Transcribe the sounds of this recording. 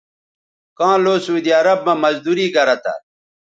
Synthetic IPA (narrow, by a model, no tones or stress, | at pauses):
kãːloːsuːd̪iɐɾɐb̚mɐmɐzd̪uːɾiːɡɐɾɐt̪a̰